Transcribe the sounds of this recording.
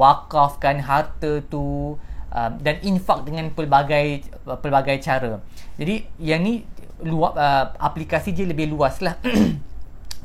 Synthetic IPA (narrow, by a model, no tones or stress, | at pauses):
wakafkanɦart̪ət̪uʔəmdaninfak̚dəŋãnpəlbaɡaj | pəlbaɡajt͡ʃaɾəd͡ʒadijanĩ | luaəʔa̰plikasidialəbɪhluaslah